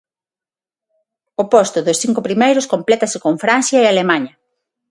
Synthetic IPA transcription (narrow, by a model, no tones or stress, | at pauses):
opɔst̪ʊðʊsθiŋkʊpɾimejɾʊskomplɛt̪ɐsɪkoɱfɾan̟θjaealemaɲɐ